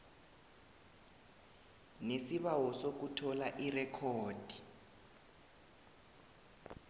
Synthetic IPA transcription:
nesiβawɔsok̬utʰɔlaʔirɛkʰɔːd̥ʱi

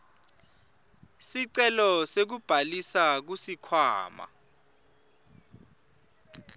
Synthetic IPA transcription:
siǀɛlɔsek̬ub̥ʱalisak̬usikʰwa̰ːma̰

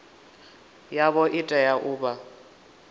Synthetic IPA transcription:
jaβɔʔɪtʼɛjaʔʊːba

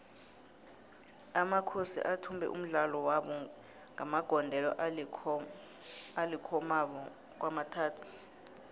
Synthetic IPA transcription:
amakʰosḭʔatʰumbʱɛ̰ʔṵm̩ɮalɔwaɓɔ | ŋamaɡ̥ʱɔndʱɛlɔ̰ʔʰ | alikʰɔmaβɔ | k̬wamatʰaːtʰu̥

